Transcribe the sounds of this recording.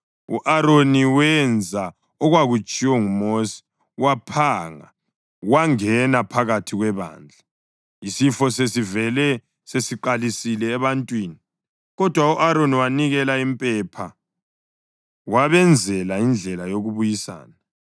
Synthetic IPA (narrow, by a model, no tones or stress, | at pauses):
uʔaɾoniwɛnd͡zʱa | ɔɣwaɣut͡ʃʼiwɔŋumosi̥ | wapʰaŋa̰ | waŋɛnapʰaɣatʰiɣwɛβa̰ːnd͡ɮʱa | isifɔsesivɛlɛ | sesiǃalisilɛːβantʼwiːni | ɣɔd̥ʱwauʔaɾoniwaniɣɛlaimpʼɛpʰa | waβɛnd͡zʱɛlaind͡ɮʱɛlajoɣuβujisa̰ːna